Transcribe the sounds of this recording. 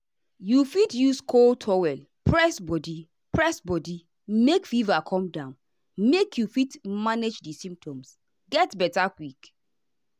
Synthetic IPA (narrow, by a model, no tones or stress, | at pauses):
jufitjuskʰoltʰɔwɛl | pɹɛsbɔdi | pɹɛsbɔdi | mekfivakʰɔ̃mdãʊ̃n | mekʰjufitmaned͡ʒdisĩmp̚tʰɔ̃ms | ɡɛtbɛtakwik